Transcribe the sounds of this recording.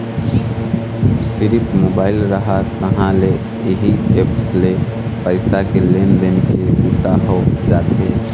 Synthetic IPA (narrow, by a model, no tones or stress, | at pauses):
siɾipmobaɪlɾəɦat̪əɦãle | iɦiepsle | pəɪsakelend̪enkeut̪aɦɔd͡ʒat̪ʰɦẽ